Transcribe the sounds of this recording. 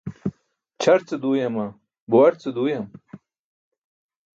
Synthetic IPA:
t͡ɕʰɐɾt͡sɨd̪uːjɐma | buwɐɾt͡sɨd̪uːjɐm

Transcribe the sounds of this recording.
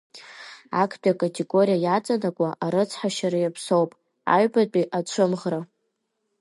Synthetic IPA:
akʰpʼiakʼatʲʰʼe̞ɡo̞ɾijajat͡sʼanakʷʼaʔaɾɨt͡sʰħaʃaɾajapʰso̞wpʼ | a̰ɥbat͡pʼiʔat͡ʃʷʰɨmʁra

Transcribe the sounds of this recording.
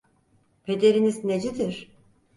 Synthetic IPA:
pʰe̞d̪e̞ɾinizned͡ʒed̪iɾ̥

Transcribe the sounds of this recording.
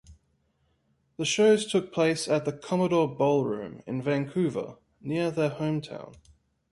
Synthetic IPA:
ðəʃəʊz̥tʰʊk̚pʰl̥eɪsəʔ̪̚ðəkʰɒməɾɔːbɒʊlˠɹʉ̰̃ːmɪ̰̃nvæ̃ŋkʰʉːvə̰ | nɪəðəhə̃ʊ̃mtʰã̰ʊ̃n

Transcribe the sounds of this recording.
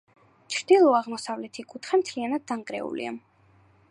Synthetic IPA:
t͡ʃʰɾd̪̥ilˠɔaʁmɔsavlɛt̪ʰikʼut̪ʰχɛmt̪ʰlianad̪ːaŋkʼɾɛ̰ṵlḭa̰

